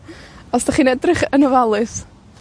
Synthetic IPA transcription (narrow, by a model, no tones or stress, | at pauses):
ɔsd̥aχiːnɛdrɨχənəvalˠɨθ